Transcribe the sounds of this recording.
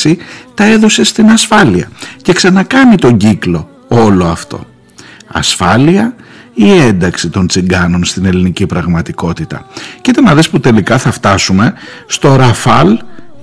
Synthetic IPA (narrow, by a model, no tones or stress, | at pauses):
it̪ɐe̞ðo̞se̞st̪inɐsfɐliɐce̞ksɐnɐkɐnit̪o̞ɲɟiklo̞ | o̞lo̞ɐft̪o̞̰ | ɐ̰sfɐliɐ | ie̞nd̪ɐksit̪o̞nt͡siŋɡɐno̞nst̪ine̞linicipɾɐɣmɐt̪iko̞t̪it̪ɐ̰cit̪ɐnɐðe̞sput̪e̞likɐθɐft̪ɐsume̞st̪o̞ɾɐfɐl